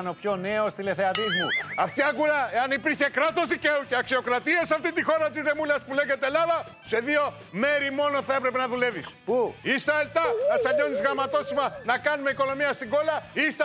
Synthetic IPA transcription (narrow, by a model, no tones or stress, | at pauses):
no̞pço̞ne̞ost̪ile̞θeɐt̪izmuɐft̪iɐɡulɐeɐnipiɾçe̞kɾɐt̪o̞zice̞uceɐksio̞kɾɐt̪iesɐft̪it̪ixo̞ɾɐt̪izɾe̞mulɐspule̞ʝet̪eːlɐðɐ | se̞ðio̞ | me̞ɾimo̞no̞θɐe̞pɾe̞pe̞nɐðule̞vispuist̪ɐelt̪ɐɐsɐɲo̞nizɣɾɐmɐt̪o̞simɐnɐkɐnume̞iko̞lo̞miɐst̪iɡo̞lɐist̪